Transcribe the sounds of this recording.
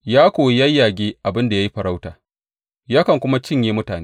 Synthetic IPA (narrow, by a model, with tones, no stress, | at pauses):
jaː˦kʷoː˨ja˦jːaː˨ɡʲeː˦ʔa˨bɪ˦nda˨ja˦ji˦ɸɐ˨ɾa˦wta̰ː˨ | jaː˦kɐ˨ŋkʷʊ˦ma˦t͡ʃɪ˦ɲjeː˦mʊ˦taː˨neː˦